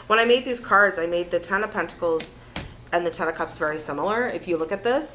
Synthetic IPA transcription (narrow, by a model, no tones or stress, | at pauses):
wə̃ñaɪmeɪd̪̚ðiz̥kʰɑɹdzaɪmeɪd̪̚ðɨtʰɛ̃nəpʰɛ̃ntə̥kl̩ˠz | ɨ̃nðɨtʰɛ̃nɨkʰʌpsvɛɹisɪ̃ml̩ˠə˞ɪfjɨlʊkɨt̪̚ðɪs